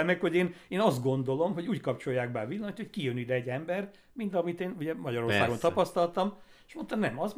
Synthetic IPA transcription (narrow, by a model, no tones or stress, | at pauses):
mɛkho̞ɟeːneːnɒzd̪ɡo̞nd̪o̞lo̞mɦo̞ɟuːckɒpt͡ʃo̞jːaːɡbaːvilːɒmɒt̪hockijønid̪ɛɛɟːɛmbɛr | mint̪ɒmit̪eːnuɟɛmɒɟɒɾo̞rsaːɡont̪ɒpɒst̪ɒlt̪ɒm | eʃmo̞nt̪ɒnɛmɒz